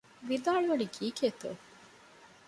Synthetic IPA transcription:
ʋid̪aːɭuʋɐɖikiːket̪ṵ

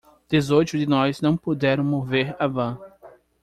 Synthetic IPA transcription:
d̪̥ezojt̪ʊd̪ɪnɔznɐ̃w̃pod̪ɛɾɐ̃w̃moveɾavɐ̃

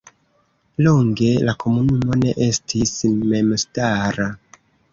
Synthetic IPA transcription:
loŋɡelakomunumoneʔestʰismemstaɾa

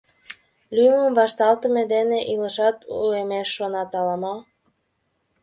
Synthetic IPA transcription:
lʲyjməmvɑʃt̪ɑlt̪əmed̪eneʔiləʃɑt̪uemeʃːonɑt̪ɑlɑmɑ

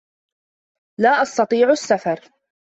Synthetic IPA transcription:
laːʔɑst̪ɑt̪ˤiːʕʊasːafɑɾˤ

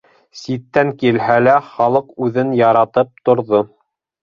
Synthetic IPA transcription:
sit̪ːæŋkilɦælæχɑlˠɤqʉðɘnjɑɾɑt̪ɤp̚t̪ŏɾðo

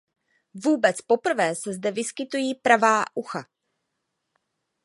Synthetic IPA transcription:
vuːbɛt͡spo̞pr̩vɛːsɛzdɛvɪskɪt̪ujiːpɾavaːʔuxa̰

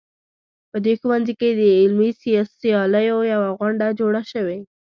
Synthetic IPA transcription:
pəd̪exwanziked̪əɪlmisijɑsijɑləjojawaɣwaɳɖad͡ʒoɽaʃəwe

